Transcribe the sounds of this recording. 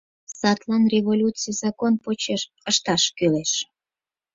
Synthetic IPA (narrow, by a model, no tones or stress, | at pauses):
sɑt̪lɑnrʲevolʲut͡sijzɑkonpot͡ɕeʃ | əʃt̪ɑʃkyleʃ